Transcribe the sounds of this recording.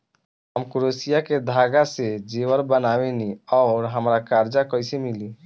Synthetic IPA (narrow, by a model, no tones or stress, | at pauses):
ɦəmkɾosijaked̪ʱaɡased͡ʒewəɾbənaweniɔːɾɦəmɾakaɾd͡ʒakəjsemili